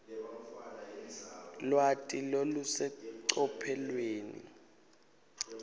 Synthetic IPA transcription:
lwatʼilolusɛǀɔpʰɛlweːnḭ

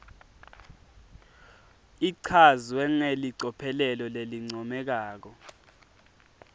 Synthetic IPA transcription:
iǀʰazwɛŋeliǀɔpʰɛlɛlɔleliŋ͡ǀʱɔmɛk̬aːk̬ɔ

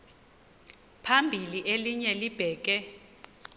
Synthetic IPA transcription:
pʰambʱiliʔeliɲɛlib̥ʱɛːk̬ʼɛ

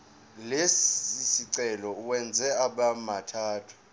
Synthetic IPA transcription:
lesisiǀɛlɔuwɛnd͡zʱɛaɓamatʰaːtʰu̥

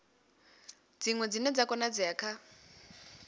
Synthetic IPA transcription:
d͡ziŋwɛd͡zinɛd͡zakɔnad͡ziakʰa

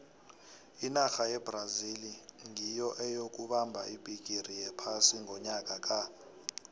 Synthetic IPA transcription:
inaxajɛbraziliŋijɔʔɛjok̬ʼuɓambʱaʔib̥ʱik̬ʼirijɛpʰasiŋʱɔɲakʼak̬ʼa

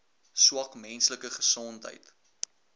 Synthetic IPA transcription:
swɐkmɛnsləkəχə̥sɔntɦə̰jt

